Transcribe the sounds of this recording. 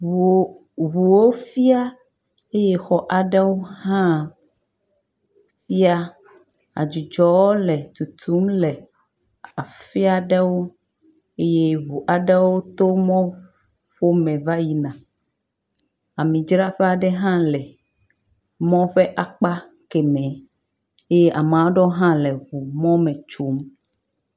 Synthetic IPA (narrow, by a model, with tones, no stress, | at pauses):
βu˨wo˦fi˦a˦ | e˦je˦xɔ˨ʔa˨ɖɛ˦wo˦hã˦˨ | fi˦a˦ | a̰˨d͡ʒu˨d͡ʒɔ˨wo˦lɛ˨t̪u˨t̪ʰu˨˦mlɛ˨ | a˨fi˦a˦ɖɛ˦wo˦ | e˦je˦βu˨ʔa˨ɖɛ˦wo˦t̪o˦mɔ̃˦ | ɸo˦mɛ̃˨va˦ji˦nã˨ | a˨mĩ˨d͡ʒɾa˦ɸɛ˦a˨ɖɛ˦ɦã˦lɛ˨ | mɔ̃˦ɸɛ˦ʔa˨k͡pa˦ | kɛ˨mɛ̃˨˦ | e˦je˦ʔa˨m˨ã˨wɖɔ˦ɦã˦lɛ˨βu˨mɔ̃˦mɛ̃˨t͡ʃo˨˦m